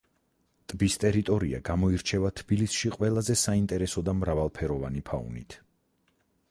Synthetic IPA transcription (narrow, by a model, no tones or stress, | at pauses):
t̪ʼbist̪ʼɛɾit̪ʼɔɾḭa̰ɡamɔiɾt͡ʃʰɛvat̪ʰb̥ilisʃiqʼwɛlˠazɛsaint̪ʼɛɾɛsɔd̪amɾavalˠpʰɛɾɔvanipʰa̰ṵnit̪ʰ